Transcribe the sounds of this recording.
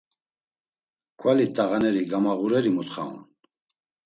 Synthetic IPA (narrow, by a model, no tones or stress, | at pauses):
kʰwalit̪ʼaʁanɛɾiɡamaʁuɾɛɾimut̪χa̰ṵn